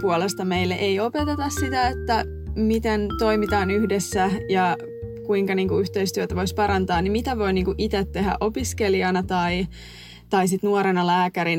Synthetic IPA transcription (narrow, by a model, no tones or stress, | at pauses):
puolest̪ɑmeilːeʔeiopet̪et̪ɑssit̪æet̪ːæ | mit̪ent̪o̞imit̪ɑːnyhdesːæjɑ | kuiŋkɑniːŋkuyht̪eist̪yøt̪æʋo̞ispɑɾɑnt̪ɑːnimit̪æʋo̞iniːŋkuʔit̪et̪ːe̞ɦæ̰ʔo̞piskeliɑnɑt̪ɑi | t̪ɑisit̪nuoɾenɑlæːkæɾin